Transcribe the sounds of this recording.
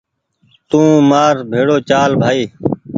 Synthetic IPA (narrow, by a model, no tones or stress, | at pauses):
t̪ũːmaːɾbʱeːɽoːt͡ʃaːlbʱaːiː